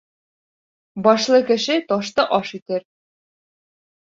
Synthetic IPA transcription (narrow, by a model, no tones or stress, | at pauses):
bɒʃlˠɤkɘ̆ʃɘt̪ɒʃt̪ɤʔɒʃit̪ɘɾ